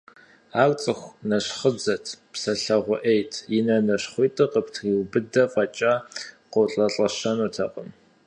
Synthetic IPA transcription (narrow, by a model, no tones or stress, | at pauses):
aːrt͡sʼɨxʷnɐɕχəd͡zɐtʰpsɐɬɐʁʷʊʔejtʰjɪnɐnɐɕχʷʊjtʼɨqəptʰɣwbɨdɐfʼɐt͡ʃʼaqowɬʼɐɬʼɐɕɐnutʰɐqʼəm